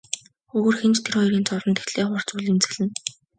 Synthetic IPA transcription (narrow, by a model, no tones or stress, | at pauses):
xɵːɣɵ̆rxemt͡ɕt̪ʰeɾɔiɾiːnt͡sɔrɞ̆nt̪ʰet̪ɮeːχʊr̥t͡suɮimt͡sɘ̆ɣɮɘ̆n